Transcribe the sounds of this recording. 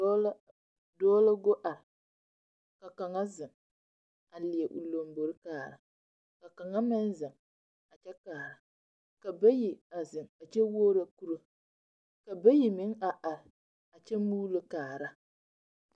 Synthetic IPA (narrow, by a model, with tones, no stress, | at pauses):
dɔː˦la˦ɡo˦ʔa˨ɾɪ˨ | ka˨ka˨ŋa˦zɪ˨ŋ | a˨lɪ˨ɛ˨ʔṵ˨lo˨mbo˨ɾɪ˦kaː˨ɾa˨ | ka˨ka˨ŋa˦mɪ˦nzɪ˨ŋ | a˨t͡ʃɛ˦kaː˨ɾa˨ | ka˨ba˦ji˨a˨zɪ˨ŋa˨t͡ʃɛ˦woː˦ɾa˦ku˦ɾo˦ | ka˨ba˦ji˨mɪ˦ŋa˨ʔa˨ɾɪ˨ | a˨t͡ʃɛ˦muː˦lɨ˦kaː˨ɾa˦